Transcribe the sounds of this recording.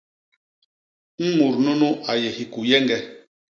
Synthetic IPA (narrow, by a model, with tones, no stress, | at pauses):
m̩˦mu˨ɾno˦nu˦ʔa˨jɛ˨hi˨ku˨jɛ˦ŋɡɛ˦